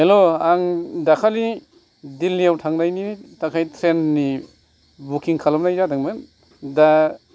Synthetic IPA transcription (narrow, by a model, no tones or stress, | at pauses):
heloaŋdakʰali | dilːijawtʰaŋnajnitakʰajtʰɾenni | bukiŋkʰalamnajzadaŋmɯn | da